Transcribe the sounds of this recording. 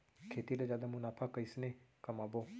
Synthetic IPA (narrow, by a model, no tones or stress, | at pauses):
kʰeːt̪ilad͡ʒjaːd̪amʊnaːpʰakəisnekəmaːboː